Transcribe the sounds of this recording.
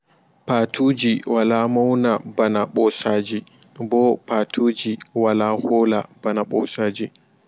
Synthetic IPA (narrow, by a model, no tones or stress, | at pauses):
paːtʰuːd͡ʒiwalaːmawnabanaɓɔsaːd͡ʒi | bɔpaːtʰuːd͡ʒiwalaːhoːla̰banaɓɔ̰ːsaːd͡ʒi